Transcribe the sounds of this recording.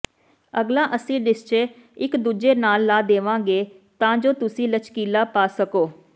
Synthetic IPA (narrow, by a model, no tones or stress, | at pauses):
əɡlãːʔəsĩːɖɪst͡ʃeːɪkd̪uːd͡ʒeːnaːlːaːd̪eːʋãːɡeː | t̪ãːd͡ʒoːt̪ʊsĩːlət͡ʃkiːlaːpaːsəkoː